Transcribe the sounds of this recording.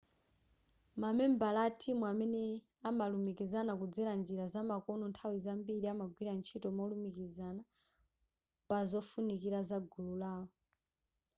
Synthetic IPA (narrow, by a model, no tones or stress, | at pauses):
mamɛmbalatʰimuamɛnɛ | amalumikizanakud͡zɛɾand͡ʒiɾazamakɔnɔntʰawizambiɾiamaɡwiɾant͡ʃʰitɔmɔlumikizana | pazɔfunikiɾazaɡululaːɔ